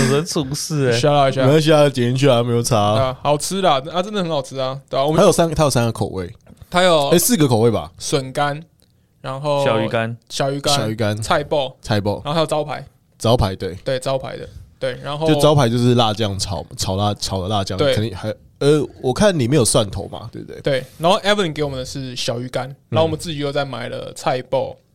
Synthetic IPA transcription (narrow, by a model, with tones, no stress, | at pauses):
ə˧˦t͡sʰu˨˩s̩˥˨e˩ɕa˥la˧˩˨ɕja˥˧e˥˧˩ɕi˦˥a˥˧˨t͡ɕɛ˨ni˥nt͡ɕʰy˥˩a˨˧me˧˥ɪjo˨˩ʊt͡sʰa˦˥hɑ˨˩ʊt͡s̩ʰ˦˥la˨ə˥a˧t͡sə˦nd̪ə˨xə˧˦nhɑ˨˩ʊt͡sʰɹ̩˦a˨t̪we˥˩˨wmʰa˦jo˨˩ʊsa˦nt̪a˥jo˨˩sa˦nɡə˨˩kʰo˨˩wḛ˥˩ɪ | t̪ʰa˥jo˨˩ʊe˥˦ɪsɹ̩˥˨ɡə˨kʰo˨ʊwe˥˩ba̰˨˩swə˨˩nka˦n | ɻa˧˥nxo˥˩˨ʊɕjɑ˨˩ʊy˨ka˦nɕjɑ˨ʊy˧˥kaɕa˦jɑ˨ʊy˧˥ka˦nt͡sʰa˥˧ɪpo˥˧t͡sʰa˥˧ɪpo˥˧ʊa˧˥˧a˥jo˨˩t͡sɑ˥ʊpʰa˧˦ɪ | t͡sɑ˥ʊpʰa˧ɪt̪we˥˩ɪt̪we˥˩ɪt͡sɑ˥ʊpʰa̰˧ɪd̪ə̰˨˦t̪we˥˩ɪɻa˧˦nxo˥t͡ɕo˥˧ʊt͡sɑ˥ʊpʰa˨˥ɪt͡ɕjʊʂɻ̩˥˧la˥˧t͡ɕjɑ˥˩ŋt͡sʰɑ̰˨˩˦ʊt͡sʰɑ˨˩ʊla˥˧t͡sʰɑ˨˩ʊd̪ə˦la˥˧t͡ɕjɑ˥˨ŋt̪we˧˩ə˨˦i˨˩xa˧ɪ | ə˧˦wɔ˨˩kʰa˥˨nni˨˩me˧˥jo˨˩swa˥˩nt̪ʰo̰˨˦ʊma̰˨˦t̪we˥˩bt̪wḛ˥˨we˥˩ɪɪna˨˦nxo˥˧ʊʔɛ˥˦və˨li˨nke˧˦wɔ˨mə̃˨nd̪ə˧ʂɻ̩˥˨ɕjɑ˨˩ʊy˧˥ka˦na˨˦o˥˩wmə˦t͡sɹ̩˥˩t͡ɕi˨˦jo˥˧t͡sa˥˩ɪma˨˩ɪlə̰˨˩t͡sʰa˥˧ɪpo˥˩˨ʊ